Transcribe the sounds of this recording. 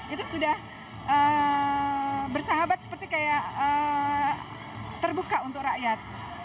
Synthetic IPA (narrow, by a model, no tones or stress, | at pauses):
it̪usudah | ə | bərsaɦabat̪̚sə̥pərt̪ikajaə | t̪ərbukaunt̪ʊk̚raʔjat̪̚